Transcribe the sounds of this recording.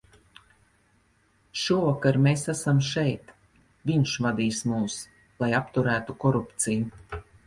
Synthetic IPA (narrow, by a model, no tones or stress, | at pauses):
ʃuɔvakaɾmesæsamʃɛjt̪ | vʲiɲʃvad̪iːsmuːs | lˠajapt̪uɾæːt̪ukɔɾupt̪siju